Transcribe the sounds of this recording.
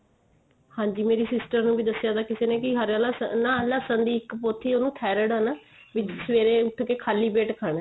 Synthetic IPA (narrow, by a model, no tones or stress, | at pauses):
hãːɲd͡ʒiːmeːɾiːsɪsʈəɾnũːbiːd̪əsːjaːd̪aːkɪseːneːkɪɦəɾalaːsənãːlaːsə̃nd̪iːɪkpoːt̪ʰiːoːnũːt̪ʰɛːɾəɽaːnaː | ʋɪt͡ʃsʋeːɾeːʊʈʰːkeːkʰaːliːpeːʈkʰaːɳɛː